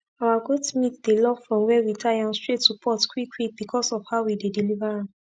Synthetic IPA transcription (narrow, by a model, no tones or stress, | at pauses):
awaɡodsmĩθd̥elɔkfɹɔ̃mwɛwitʰajãnstɹetːupʰɔtkwikwik̚bikʰɔsɔfhaʊwidedilivaɹã